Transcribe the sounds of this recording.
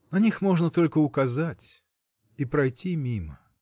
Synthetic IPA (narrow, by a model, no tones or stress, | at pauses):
nɐnʲixmo̞ʐnət̪o̞lʲkəʊkɐzatʲ | ipɾɐjtʲimʲimə